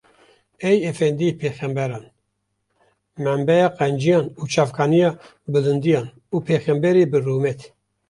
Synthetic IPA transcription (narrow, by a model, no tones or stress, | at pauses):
ɛjɛfɛnd̪ipʰeːxɛmbɛɾɑːn | mɛmbɛjɑːqɛnd͡ʒijɑːnuːt͡ʃʰɑːvkʰɑːnijɑː | bɨlɨnd̪ijɑːn | uːpʰeːxɛmbɛɾeːbɨruːmɛt̪ʰ